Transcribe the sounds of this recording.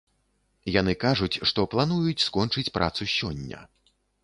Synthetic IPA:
jan̪ɨkaʐut͡sʲʂt̪ɔplˠanujut͡sʲskɔnt͡ʂɨt͡sʲpɾʔa̰t̪susʲɔnʲːɐ̰

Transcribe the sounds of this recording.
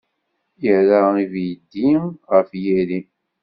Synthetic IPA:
jəɾaivjəd̪ːiʁəfjæɾi

